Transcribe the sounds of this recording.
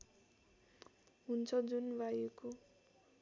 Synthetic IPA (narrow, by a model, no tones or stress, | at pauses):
ɦunt͡sʰʌd͡zunbajuko